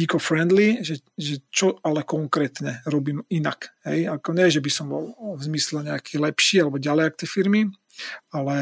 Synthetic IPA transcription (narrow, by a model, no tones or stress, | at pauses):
ikɔfɾɛnd̪liʒɛʒɛt͡ʃɔalɛkɔŋkɾɛːt̪ɲɛɾɔbiːmina̰kɦɛ̰jakɔɲɛʒɛbisɔmbɔlvzmislɛɲɛakiːlɛpʃiːalɛbɔɟalɛjak̚t̪ɛfiɾmi | alɛ